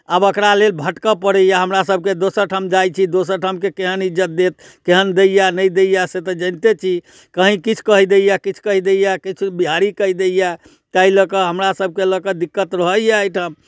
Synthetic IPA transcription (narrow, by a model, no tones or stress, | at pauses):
abəkɾalelbʱəʈkəpəɽɛjaɦəmɾasəb̚ʱked̪osəɾʈʰəmd͡ʒajt͡ʃʰid̪osəɾʈʰəmkekeɦənid͡ʒət̪̚d̪et̪̚ | keɦənd̪ejanəjd̪ejaset̪əd͡ʒə̃nt̪et͡ʃʰi | kəɦĩkit͡ʃʰkəɦid̪ejakit͡ʃʰkəɦid̪ejakit͡ʃʰbiɦaɾikəɦid̪eja | t̪ailəkəɦəmɾasəb̚ʱkeləkəd̪ikːət̪ɾəɦəjajʈʰəm